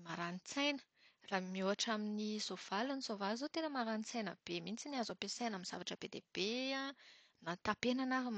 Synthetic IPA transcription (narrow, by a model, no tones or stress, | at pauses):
maɾanit͡sajnə̥ | raːmioaʈ͡ʂaminizov̥alunizovazot̪enəmaɾanit͡sajnə̰b̥emint͡siniazapesajnaminz̥a̰vaʈ͡ʂəbed̪eb̥ea | nat̪apenanaɦum